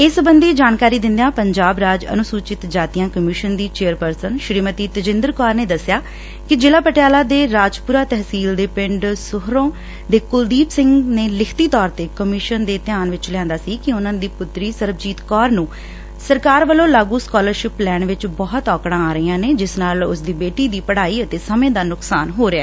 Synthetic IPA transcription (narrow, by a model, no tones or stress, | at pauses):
ɪːsbənd̪iːd͡ʒaːnkaːɾiːd̪ɪ̃nd̪ejãːpəɲd͡ʒaːbɾaːd͡ʒə̰nʊsuːt͡ʃɪt̪d͡ʒaːt̪ijãːkəmɪʃənd̪iːt͡ʃeːəɾpəɾsənʃɾiːmət̪iːt̪əd͡ʒɪ̃nd̪əɾkɔːɾneːd̪əsːjaː | kɪd͡ʒɪlaːpəʈjaːlaːd̪eːɾaːd͡ʒpuːɾaːt̪ɛɦsiːld̪eːpɪɳɖsʊɦɾõː | d̪eːkʊld̪iːpsɪ̃ŋɡneːlɪkʰt̪iːt̪ɔːɾt̪eːkəmɪʃənd̪eːt̪ɪjãːnʋɪt͡ʃlɛãːnd̪aːsiːkɪʊnãːnd̪iːpʊt̪ːɾiːsəɾbd͡ʒiːt̪kɔːɾnũː | səɾkaːɾʋəlõːlaːɡũːskɔːləɾʃɪplɛːnʋɪt͡ʃbɔːɦət̪ɔːkɽãːaːɾəiːãːneːd͡ʒɪsnaːlʊ̰sd̪iːbeːʈiːd̪iːpəɽaːiːət̪eːsəmẽːd̪aːnʊksaːnɦoːɾeɛː